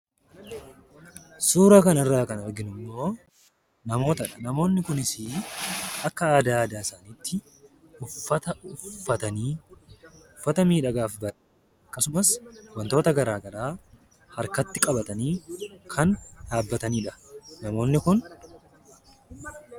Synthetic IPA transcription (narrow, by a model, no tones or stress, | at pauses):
suːɾaːkɐnɐrːaːkɐnɔɾɡɪnʊmːo̞ː | nɐmo̞ːt̪ɐᶑɐnɐmo̞ːnːɪkʊnɪsɪ | ɐkːɐaːd̪aːd̪aːɪsaːniːt̪ʰːɪ | ʊfːɐt̪ɐʊfːɐt̪ɐniː | ʊfːɐt̪ɐmiːᶑɐɡaːfbɐᶑɛ̥ | ɐkːɐsʊmɐswɐnt̪o̞ːt̪ɐɡɐɾaːɡɐɾaː | hɐɾkɐt̪ːɪkʼɐbɐt̪ɐniːkʰɐnd̪aːbːɐt̪ɐniːᶑɐnɐmo̞ːnːɪkʊn